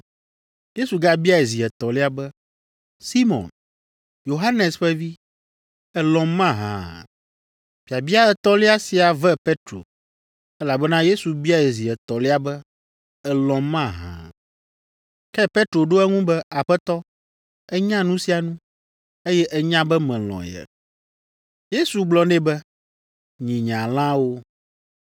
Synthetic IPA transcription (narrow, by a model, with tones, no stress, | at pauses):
je˦su˨ɡa˦bi˦a˦˨ɛ˨zi˨ɛ˨t̪ɔ˨le˦a˨bɛ˦ | si˦mɔ̰̃˨n | jo˨ɦa˦nɛ˨sɸɛ˦vi˦ | ɛ˨lɔ̃˨mã˦ɦã̰˨ | b̥i˨a˨bi˦a˦ɛ˨t̪ɔ˦li˦a˦si˨a˨vɛ˦pe˦t̪ɾo̰˨ | ɛ˦la˨bɛ˦nã˦je˦su˨bi˦a˦e˨zi˨ɛ˨t̪ɔ˨le˦a˨bɛ˦ | ɛ˨lɔ̃˨mã˦˨ɦã̰˨ | kɛ˦pɛ˦t̪ɾo˨ɖo˦ɛ˦ŋũ˦bɛ˦a˨ɸɛ˦t̪ɔ˦ | ɛ˦ɲã˦nũ˦si˨a˨nũ˦ | e˦jɛ˦ʔɛ˦ɲã˦bɛ˦mɛ̃˨l̃ɔ̰̃˨jɛ̰˨ | je˦su˨ɡ͡blɔ˨nɛ̃˦bɛ˦ | ɲĩ˨ɲã˨l̃ã˦wo˦